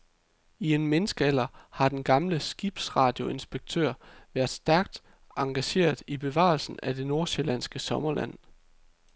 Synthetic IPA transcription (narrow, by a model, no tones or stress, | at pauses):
ie̝nmenəsɡ̥əel̰ɐhɑ̈d̥enɡ̥ɑ̈mləsɡ̥ib̥sʁɑ̰̈ːd̥jo̝e̝nsb̥e̝ɡ̥̚t͡sʰø̰ɐ̰ʋæɐd̥sd̥æɐɡ̥̚d̥ | ɑ̈ŋɡ̥æɕe̝̰ːɐðˠib̥e̝ʋɑ̰̈ːlsn̩æd̥e̝no̝ɐse̝lænsɡ̥əsɒ̽mɐlʔæ̰n̰